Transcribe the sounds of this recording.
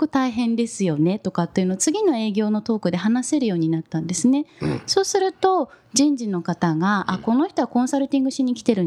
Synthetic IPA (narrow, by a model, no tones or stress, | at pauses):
kɯ̟t̪aiɦẽ̞nd̪e̞sɨjo̞ne̞t̪o̞kat̪ːe̞iɯ̟no̞at͡sɨɡʲino̞e̞ːɡʲo̞ːno̞t̪o̞ːkɯ̟d̪e̞ɦanase̞ɾɯ̟jo̞ːɲ̟inat̪ːãnd̪e̞sɨne̞so̞ːsɨɾɯ̟t̪o̞d͡ʑĩɲ̟d͡ʑino̞kat̪aɡaʔako̞no̞çi̥t̪o̞βakõɰ̃saɾɯ̟t̪ʲĩŋɡɯ̟ɕiɲ̟ikʲi̥t̪e̞ɾɯ̟